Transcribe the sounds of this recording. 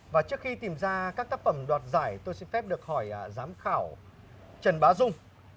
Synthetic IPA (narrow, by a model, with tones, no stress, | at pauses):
vaː˨˩t͡ɕɨ˦˥ək̚xi˧t̪i˨˩mzaː˧kaː˦˥k̚t̪aː˦˥k̚fə˧˩mɗwaː˨˩t̚zaː˧˩jt̪o˧jsɛ̰˧˥nfɛ˦˥p̚ɗɨ˨˩ək̚hɔ˧˩jzaː˨˦mxaː˧˩w | t͡ɕə˨˩nɓaː˨˦zʊ˧ŋ͡m